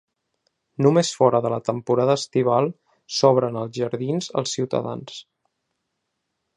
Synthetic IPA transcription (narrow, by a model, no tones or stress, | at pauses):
numesfɔɾəðələt̪əmpuɾaðəːst̪iβ̞alˠ | sɔβ̞ɾənəlˠzʒəɾðinzə̰lˠsiwt̪ə̰ða̰ns